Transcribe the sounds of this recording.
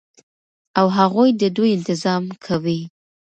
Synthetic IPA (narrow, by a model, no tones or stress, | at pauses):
awɦaɣujd̪əd̪ujɪnt̪ɪzɑmkʰawi